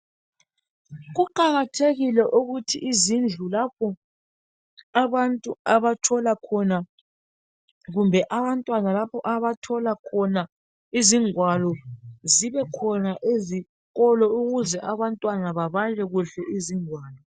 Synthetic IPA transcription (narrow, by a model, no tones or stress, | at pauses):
ɣuǃaɣatʰeɣilɛʔuɣutʰḭʔːzind͡ɮʱulapʰɔ | aβantʼuaβatʰɔlakʰɔna | ɣumbʱɛʔaβantʼwanalapʰɔʔaβatʰɔlakʰɔna | iziŋwalɔziβɛkʰɔnaʔezi | ɣɔlɔuɣuzɛʔaβantʼwanaβaβalɛɣuɬɛʔiziŋwaːlɔ